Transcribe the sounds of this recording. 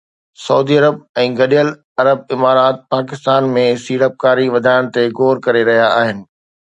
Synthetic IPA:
sɐuːd̪iɐɾəb̚ɛ̃ːɡɐɗijəl | ɐɾəb̚ɪmaːɾaːt̪̚paːkɪst̪aːnmẽsiːɽəp̚kaːɾiʋɐd̪ʱaːɪɽ̃t̪eɡoːɾkɐɾeɾɐɦijaːɦɪnɪ̆

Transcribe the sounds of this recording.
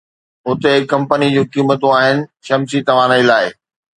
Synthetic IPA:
ʊt̪eɪkːɐ̃mpənid͡ʑũːkiːmət̪ũaːɦɪnɪ̆ʃɐmsit̪ɐʋ̤ãnɐilaːɪ

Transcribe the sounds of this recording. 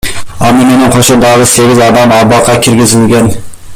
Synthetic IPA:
ɒmːɪme̞nɪŋqʰoʃɪnd̪ɑʁəse̞ɡʲɪzɒd̪amɒbɑqʰːɑkʲʰɪɾɡʲɪzɪlɡʲan

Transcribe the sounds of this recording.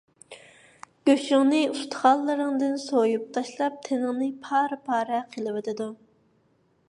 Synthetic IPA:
ɡ̥ʲøʃyŋnɨyst̪ʰχɑlˠːɨɾɨŋd̪ɪnsojup̚t̪ʰɑʃlˠɑp̚t̪ʰenɪŋnɨpʰɑːɾpʰɑːɾɛqʰəlˠɨwet̪ɨd̪u

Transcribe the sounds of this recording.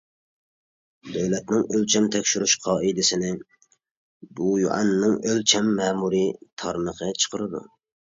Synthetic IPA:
d̪øwlɛt̪nɪŋølt͡ʃʰɛmt̪ʰɛkʲʃyɾyʃqʰɑːʔid̪ɪsɪnɪ | bujṵʔɑ̰nːɪŋølt͡ʃʰɛmːɛːmuɾit̪ʰɑɾɨnəqʰət͡ʃʰə̥qʰəɾɨd̪ṵ

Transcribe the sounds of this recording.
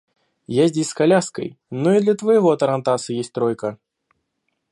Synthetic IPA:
jazʲdʲesʲskalʲaskɐ̰jnuid̪lʲɐt̪vɐjɣɔt̪ɐɾɐnt̪asɨjesʲt̚ʲt̪ɾɔjkɐ

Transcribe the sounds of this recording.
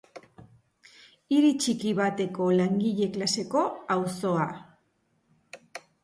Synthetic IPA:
iɾit͡ʃikiβat̪e̞ko̞laŋɡiʎe̞klase̞ko̞awso̞a

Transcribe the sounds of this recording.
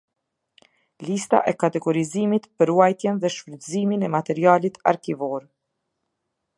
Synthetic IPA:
list̪a̰ʔɛkat̪ɛɡɔɾizimit̪pəɾuajt̪jɛnðɛʃpɾət̪ziminɛmat̪ɛɾialit̪a̰ɾkivɔɾ

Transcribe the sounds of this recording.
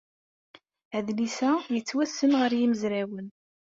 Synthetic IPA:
əðlisæjət͡sːwæsːənʁəɾjiməzɾæwən

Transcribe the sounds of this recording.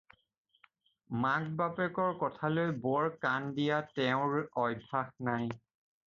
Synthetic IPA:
maɡ̚bapɛkɔɹkɔtʰalojbɔɹkandijatɛʊ̃ɹɔjdʱaxnaj

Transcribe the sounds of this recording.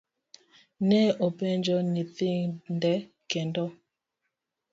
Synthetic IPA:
nɛʔopɛnd͡ʒɔniθindɛ | kɛndɔ

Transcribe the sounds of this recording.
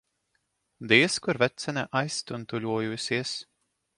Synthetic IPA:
d̪iɛskuɾvɛt̪sɛnʲɛʔajst̪unt̪ulʲuɔjusiɛs

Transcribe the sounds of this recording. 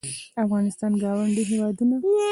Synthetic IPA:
afɣɑnɪst̪ɑnɡɑwaɳɖiɦewɑd̪una

